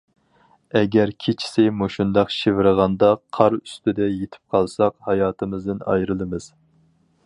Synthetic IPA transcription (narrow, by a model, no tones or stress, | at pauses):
ɛɡʲæɾkʲʰet͡ʃʰi̥sɪmoʃund̪ɑqʃivɪɾɨʁɑnd̪ɑqʰɑɾyst̪ɪd̪ɛjet̪ʰɪ̥p̚qʰɑlˠsɑqhɑjɑːt̪ʰɨmɨzd̪ɨnɑ̰jɾɨlˠɨmɨz̥